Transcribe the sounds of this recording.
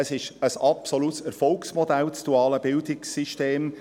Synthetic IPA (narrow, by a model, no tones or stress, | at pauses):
əsɪʃəsɑpsolutsəɾfɔlksmod̥̪ælt͡sd̥uɑːləb̥ɪld̪ɪksːiʃteːm